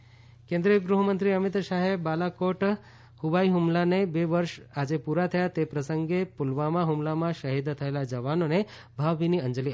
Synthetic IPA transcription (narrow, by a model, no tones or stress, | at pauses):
kẽnd̪ɾiəɡɾuɦəmənt̪ɾiəmit̪ʃaɦebalakoʈ | hubaiɦumlanebeʋəɾʃad͡ʑepuɾat̪ʰəjat̪epɾəsəŋɡepulʋamaɦumlamãʃəɦid̪t̪ʰəelad͡ʒəʋanone | bʱaʋbiniənd͡ʒəli